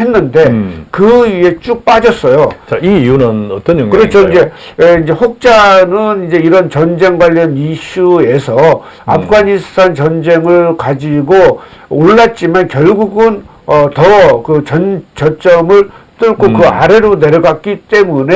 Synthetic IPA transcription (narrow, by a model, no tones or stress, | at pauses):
henːɯnde̞kɯie̞t͡ɕ͈uk̚p͈ad͡ʑʌs͈ʌjot͡ɕaiijunɯnʌt͈ʌnjʌŋkɯɾet͡ɕʰoind͡ʑe̞ | eind͡ʑe̞ɸok̚t͡ɕ͈anɯnind͡ʑe̞iɾʌnt͡ɕʌnd͡ʑe̞ŋɡwaʎːʌniɕʰue̞sʰʌ | a̰pʰɯɡanistʰant͡ɕʌnd͡ʑe̞ŋɯɭkad͡ʑiɡo | oɭːat̚t͡ɕ͈imankjʌɭɡuɡɯn | ʌtʌkɯt͡ɕʌnt͡ɕʌt͡ɕ͈ʌmɯɭt͈ɯɭkʰokɯaɾe̞ɾone̞ɾjʌɡak̚k͈it͈e̞mune